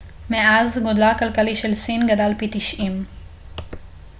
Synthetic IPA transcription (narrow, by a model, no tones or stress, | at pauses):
meʔazɡod̪lakalkaliʃelsinɡad̪alpit̪iʃʔim